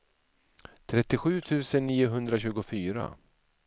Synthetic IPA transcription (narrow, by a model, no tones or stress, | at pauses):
t̪ʰɾɛt̪ːɪɧʉ̟ːt̪ʰʉ̟ːsənːiːʊɦɵnd̪ɾaɕʉ̟ːɡʊfyːɾa̰